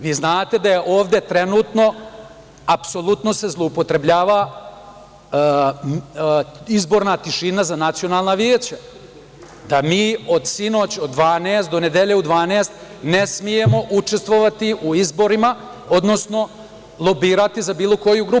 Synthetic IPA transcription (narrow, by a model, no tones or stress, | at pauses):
ʋiːznaːt̪e̞d̪aje̞ʔo̞ːʋd̪e̞t̪ɾenuːt̪no̞ | apso̞lˠut̪no̞se̞zlˠoupo̞t̪ɾe̞bʎaːʋa | izbo̞ɾnat̪iʃinazanat̪sijo̞naːlˠnaʋjeːt͡ɕa | d̪amiːo̞d̪sino̞ːt͡ɕod̪ːʋaːneːst̪d̪oned̪eʎeud̪ʋaːneːst̪ne̞smije̞mo̞ʔut͡ʂe̞st̪ʋo̞ʋat̪iʔuizbo̞ɾima | o̞d̪no̞sno̞ | lˠo̞biːɾat̪izabiːlˠo̞ko̞juɡɾuː